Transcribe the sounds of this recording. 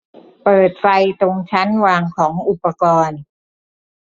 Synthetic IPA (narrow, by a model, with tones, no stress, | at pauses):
pɤː˨˩t̪̚fa˧jt̪o˧ŋt͡ɕʰa˦˥nwaː˧ŋkʰɔː˩˦ŋʔu˨˩pːa˧kɔː˧n